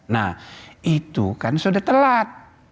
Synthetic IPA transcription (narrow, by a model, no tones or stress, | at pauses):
na̰hit̪ukansudat̪əlat̪̚